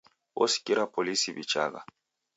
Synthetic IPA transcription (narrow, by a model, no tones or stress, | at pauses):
wɔsi̥kʼiɾapʰolisibit͡ʃa̰ɣa̰